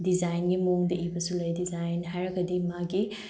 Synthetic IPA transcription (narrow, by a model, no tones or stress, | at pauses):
dizajnɡimoŋdɐʔibɐsulɐjdizajnɦajɾɐkːɐdimaɡi